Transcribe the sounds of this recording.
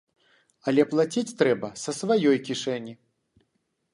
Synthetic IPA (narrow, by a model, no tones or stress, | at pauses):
ɐlʲɛplˠat͡sʲit͡sʲt̪ɾɛbɐsɐsvajɔjkʲiʂɛnʲi